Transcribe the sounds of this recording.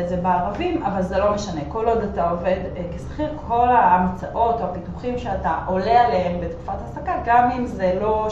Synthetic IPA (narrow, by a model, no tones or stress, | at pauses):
ezebeaʁavimavalzelo̞meʃane̞ko̞lo̞d̪atao̞ve̞d̪kesχiʁkʰo̞lamt͡saʔo̞toapituχimʃeataʔo̞lealeɦembetku̥fathasakaɡamimzelo̞